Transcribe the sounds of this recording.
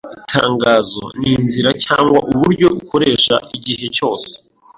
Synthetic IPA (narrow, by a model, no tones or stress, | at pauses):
itʰaːŋɡaːzo̞̰niːnziɾacaːŋɡwa̰ʔuβuɾɟo̞uko̞ɾe̞ːʃa̰ʔiɟihe̞co̞ːse̥